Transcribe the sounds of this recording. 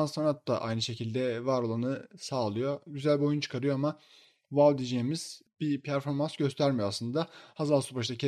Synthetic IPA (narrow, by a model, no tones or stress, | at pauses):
anssanat̪ːa̰ʔa̰jnɯʃe̞cʰilʲd̪ɛvaɾo̞lˠanɯsaːlˠɯjo̞ɟyzælʲbio̞junt͡ʃʰɯ̥kʰaɾɯjo̞ama | valˠd̪iːd͡ʒeːimiz̥ | bipʰæɾfo̞ɾmansɟø̞st̪ʰæɾmijoaslˠɯnd̪ahazalˠsupaʃd̪acʰe